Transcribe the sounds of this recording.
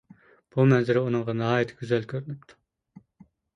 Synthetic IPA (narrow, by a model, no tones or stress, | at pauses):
b̥umɛnzɪɾɪunɨɴʁɑnɑɦɑːjet̪ʰɪ̥ɡʲyzɛlkʲʰøɾynypt̪ʰu̥